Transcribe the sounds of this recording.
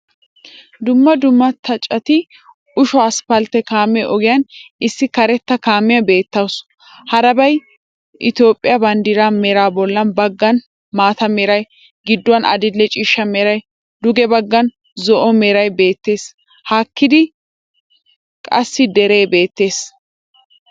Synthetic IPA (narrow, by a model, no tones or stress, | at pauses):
d̪ʊmːɐd̪ʊmːɐt̪ʰːɐt͡ʃʼɐt̪ɪ | ʊʃɔɐspɐlt̪ɛkaːmɛʔɔɡɪjɐnɪsːɪkɐɾɛt̪ːɐkaːmːɪjɐbe̞ːt̪ːɐws | hɐɾɐbɐj | ʔɪt̪jo̞ːpʼːɪjɐbɐnd̪iːɾaːmeːɾaːbɔlːɐnbɐɡːɐn | maːt̪ɐmeːɾɐj | ɡɪd̪ːʊwɐnɐ̰d̪ɪlːɛt͡ʃʼɪʃːɐmeːɾɐj | d̪ʊɡɛbɐɡːɐn | zɔʔɔmeːɾɐjbe̞ːt̪ːe̞ːs | hakːɪd̪ɪ | kʼɐsːɪd̪ɛɾe̞ːbe̞ːt̪ːe̞ːs